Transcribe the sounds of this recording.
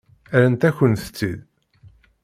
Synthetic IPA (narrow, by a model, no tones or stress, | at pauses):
æɾənt̪æçənθə̥t͡sːið